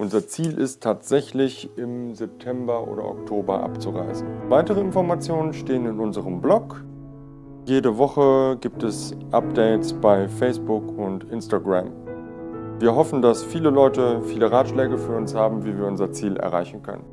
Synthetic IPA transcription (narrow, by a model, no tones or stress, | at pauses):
ʔʊnzɐt͡siːlʔɪstʰːaːtz̥ɛçlɪçɪmzɛp̚tʰɛmbɐʔo̰ːdɐ̰ʔɔ̰ktʰoːbɐʔa̰pt͡suʁa̰ɪsn̩vaɪtəʁ̞əɪnfɔɐmat͡sjoːnənʃteːənɪnʊnzəʁəmblɔk | jeːdəvɔχəɡiːp̚tɛsʔap̚d̥ɛɪtt͡sb̥aɪfɛɪsb̥ʊkʊntʔɪnstaɡʁa̰m | viːɐɦɔfn̩dasfiːləlɔʏtəfiːləʁaːtʃlɛːɡəfyːɐʊnshaːbm̩viːviːɐʔʊnzɐt͡siːlʔɛ̰ɐʁa̰ɪçn̩kʰœ̰nə̰n